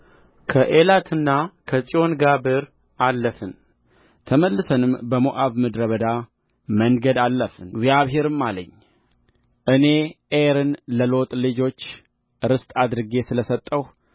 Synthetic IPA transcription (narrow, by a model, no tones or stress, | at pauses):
kʰəʔelat̪ʰɨnːakʰəsʼijo̞nɡabɨɾ | alːəfɨn | t̪ʰəməlːɨsənɨmbəmoʔaβmɨd̪ɾəβəd̪a | məŋɡəd̪alːəfɨnɡzjaβɦe̞ɾɨmːalə̰ɲː | ʔɨne̞ʔeɾɨnləlo̞t̪ʼlɨd͡ʒo̞t͡ʃː | ɾɨst̪ʼad̪ɾɨɡe̞sɨləsət̪ʼːəw